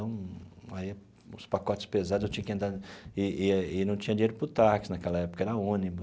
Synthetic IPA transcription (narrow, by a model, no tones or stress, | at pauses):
ɐ̃w̃ai | ʊ̰spakɔt͡ʃɪ̥spezad̪zewt͡ʃĩɲɐkɪẽnd̪aɪɪnɐ̃w̃t͡ʃĩɲɐd͡ʒĩɲejɾʊpɾʊt̪aɾkɪ̥snɐkɛlɐɛpʊ̥kɐɛɾɐõnibʊ